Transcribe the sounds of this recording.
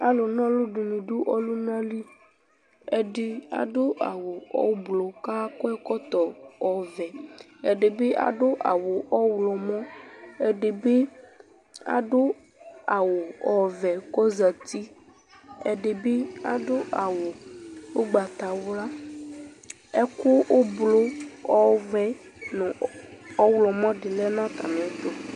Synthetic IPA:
a˦lo˨nã˦lo˦ɖo˨nũ˨ɖu˦ʔɔ˦lu˦nã˦li˦ | e˦ɖe˦a̰˨ɖo˦ʔa˨wo˨ɔ̰˦blɔ˨ka˦kɔ˦ɛ˦kɔ˦t̪ɔ˨ɔ˨vɛ˨ | ɛ˨ɖe˨be˦ʔa̰˨ɖo˦ʔa̰˨wo˨ʔɔ˦wlɔ˨mɔ̃˦e˦ɖe˨be˦ | a̰˨ɖo˦ | a˨wo˨ɔ˨vɛ˨kɔ˦za˨t̪i˦ | e˨ɖe˨be˦a̰˨ɖo˦ʔa˨wo˨wo˦ɡ͡ba˨t̪a˨wla˦ | ɛ˦ko˦wo˦blo˦ɔ˦vɛ˨ | nũ˨ɔ˦wlɔ˨mɔ̃˦ɖe˨lɛ˦nã˦t̪a̰˨nẽ˨ɛ˦t̪o˦

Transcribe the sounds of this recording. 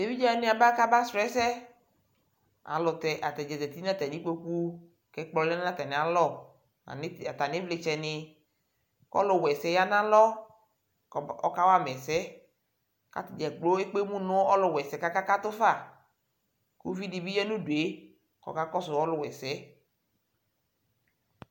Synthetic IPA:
de˨vi˦d͡ʒnɪ̃˦a˨ba˦ka˦ba˦sɾɛ˦sɛ˦ | a̰˨lʊ˨t̪ɛ˨ʔa˨t̪ɛ˨d͡ʒɛ˨zɛ˨t̪i˦nã˦t̪ɛ˨nĩ˦k͡po˦ku˦ | kɛ˦k͡plɔ˨lɛ˦na˦ã˦t̪ɛ˨nɪ˨a˨lɔ˦˨ | a̰˨nɪ˦˨a˨t̪a˨nɪ˦vlɪ˨t͡ʃɛ˨nɪ˨ | kɔ̰˦lʊ˨wɛ˨sɛ˨˦ja˦nã˦lɔ˦˨ | ɔ̰˦ka˦wa˦mɛ˨sɛ˦ | ka̰˦t̪d͡ʒɛ˨ɡ͡blo˦e˦k͡pe˦mũ˦nʊ̃˦ɔ˦lʊ˨wɛ˨sɛ˨ka˦ka˦ka˦t̪ʊ˦fa˦˨ | ku˦vi˦di˨bi˦jɛ˦nũ˦du˨e˨˦ | kɔ̰˨ka˦kɔ˦sʊ˨wɔ˦lʊ˨wɛ˨sɛ˨˦

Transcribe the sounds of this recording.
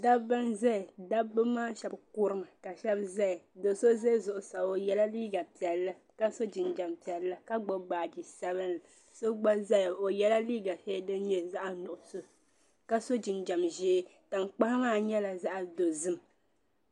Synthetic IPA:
da˦bɨ˦nza˦˨da˦bɨ˦maː˦ʃɛ˨bkʊ˦ɾɨ˦mɨ˨ka˨ʃɛ˦bza˦˨do˨so˦ze˦zʊ˨ʔʊ˨sa˨o˨jɛ˦la˦liː˦ɡa˨pi˨ɛ˨lːɨ˦ | ka˦so˦d͡ʒi˨nd͡ʒa˨mpi˨ɛ˨lːa˦ka˦ɡ͡bo˦ɡ͡baː˨d͡ʒi˨sa˦βɨ˦na˨ | so˦ɡ͡ba˦za˦jo˨jɛ˦la˦liː˦ɡa˨sɛ˦dɨ˦n˦ɲɛ˦za˦ʔa˨nʊ˨ʔʊ˨so˦ | ka˦so˦d͡ʒi˨nd͡ʒa˨mʒeː˦ta˨mk͡pa˦hmaː˦ɲɛ˦la˨za˦ʔa˨do˨zɨ˦m˨

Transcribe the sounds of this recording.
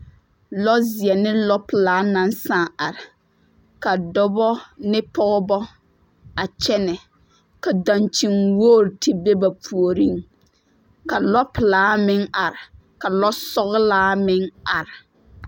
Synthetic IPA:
lɔ˦zɪ˨ɛ˨nɪ˦lɔ˦pɪ˨laː˦na˦n˦saː˦˨a˨ɾɪ˨ | ka˨dɔ˦bɔ˦nɪ˦pɔ˦ɣbɔ˦ | a˨t͡ʃɛ˦nɛ˨ | ka˨da˨nt͡ʃi˨ŋwoː˦˨ɾtɪ˦be˦ba˨pʰu˨o˨ɾi˦ŋ | ka˨lɔ˦pɪ˨laː˨˦mɪ˦ŋa˨ɾɪ˨ | ka˨lɔ˦sɔ˦ɣlaː˦mɪ˦ŋa˨ɾɪ˨

